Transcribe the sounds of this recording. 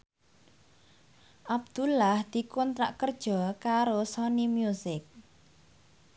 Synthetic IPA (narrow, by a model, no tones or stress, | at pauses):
ʔab̚d̪̥ṳlːahd̪̥i̤kɔnt̪ɾaʔkərd̥ʒ̥ɔkaɾosɔnimjusɪk̚